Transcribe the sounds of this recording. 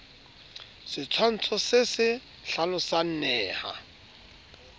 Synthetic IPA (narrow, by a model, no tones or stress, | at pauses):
sɪt͡sʰwan̩t͡sʰɔsɪsɪ | ɬalʊsan̩nɛːha̰